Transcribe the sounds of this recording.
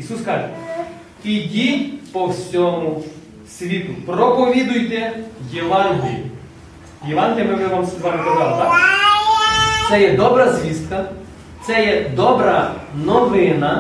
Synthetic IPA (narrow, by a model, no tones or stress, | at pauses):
isuskɑʒɛ | kʲidʲipɔwsʲɔmʊ | sʲʋʲit̪ʊprɔpɔʋʲid̪ʊjt̪ɛjɛʋɑnɦijʲʊ | jɛʋɑnɦɪljɐmɪmɪʋamsɛzʋamɪpɔɡalˠɔt̪a | t̪sɛjɛd̪ɔbɾɐzʲʋʲist̪kɐ | t̪sɛjɛd̪ɔbɾɐnɔʋɪnɐ